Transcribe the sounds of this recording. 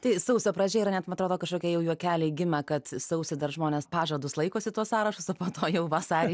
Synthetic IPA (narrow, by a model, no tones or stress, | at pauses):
t̪ɐɪsɐʊsʲoːpɾɐd͡ʒʲɛːɪɾɐnʲɛt̪mɐnɐt̪ɾoːd̪oːkɐʃkoːkʲɛjɛʊjuɔkʲæːlʲeɪɡʲɪmʲɛkɐt̪sɐʊsʲɪd̪ɐɾʒmoːnʲeːspɑːʒɐd̪ʊslˠɐɪkoːsʲɪt̪uɔssɑːɾɐʃʊsɐpoːt̪oːjɛʊʋɐsɑːɾʲ